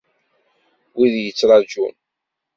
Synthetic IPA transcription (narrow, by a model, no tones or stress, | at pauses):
wiðjət͡sːɾˤɑd͡ʒṵn